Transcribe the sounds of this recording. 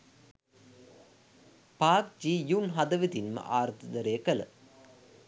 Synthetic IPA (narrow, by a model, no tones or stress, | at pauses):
paːkd͡ʒiːjunɦɐd̪əʋit̪inmə̰ʔaːɾɐt̪əd̪ɐɾejəkələ̰